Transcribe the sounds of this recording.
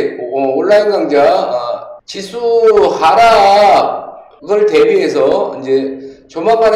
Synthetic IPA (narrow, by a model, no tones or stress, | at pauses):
ʌoɭːainɡaŋd͡ʑa | t͡ɕis͈ʰuhaɾa | ɡɯɭtebiɦesʰʌind͡ʑe̞t͡ɕomapaɾ